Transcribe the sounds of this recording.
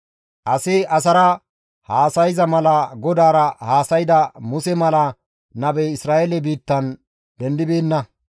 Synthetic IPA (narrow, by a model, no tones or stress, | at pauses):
ʔɐsɪʔɐs̬ɐɾɐ | haːsɐjzɐmɐlɐɡɔd̪aːɾɐhaːsɐjd̪ɐmʊsɛmɐlɐ | nɐbɛjɪsɾaːʔɛlɛbiːt̪ːɐn | d̪ɛnd̪ɪbeːnːɐ